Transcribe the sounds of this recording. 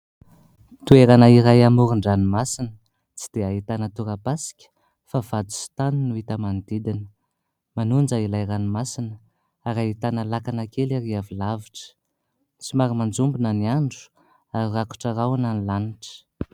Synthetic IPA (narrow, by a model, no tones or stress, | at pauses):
t̪ueɾanəiɾajamuɾuɳɖ͡ʐanimasinə | t͡si̥d̪̥eaɦit̪anət̪uɾapasi̥kʲə̥ | favad̪u̥si̥t̪aninuit̪əmand̪id̪inə̥ | manund͡ʒailajɾanimasinə | aɾaɦit̪anəlakanakelaɾiavilaviʈ͡ʂə̥ | t͡simaɾimand͡zumbinəniaɳɖ͡ʐu̥ | aɾiraku̥ʈ͡ʂaɾawananilaniʈ͡ʂə̥